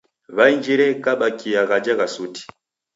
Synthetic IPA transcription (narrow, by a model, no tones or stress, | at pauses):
βaind͡ʒiɾɛkaɓakijaɣad͡ʒaɣasuti̥